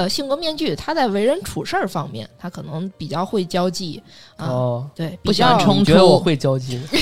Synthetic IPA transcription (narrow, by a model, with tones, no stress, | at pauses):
ə˧ɕi˥˩ŋkwɔ˥mjɛ˥˧nt͡ɕy˥˩t̪ʰa˥t͡sa˥˩ɪwe˧˥ɪɻə˧˥nʈ͡ʂʰu˨˩ʂə˞˥˩fɑ˥ŋmjɛ̰˥˩nt̪ʰa˥kʰɤ˨˩nɤ˧˥ŋpi˨˩t͡ɕjɑ˥˧ʊxwe˥˩ɪt͡ɕjɑ˥ʊt͡ɕi˥˩ | ə˥˧t̪we˥˩ɪpi˨u˥˩ɕt͡ɕjʈ͡ʂʰɤ˥ŋt͡ɕɛ˧˥ɔ˨˧˩xwe˥˩ɪt͡ɕjɑ˥ʊt͡ɕi˥˩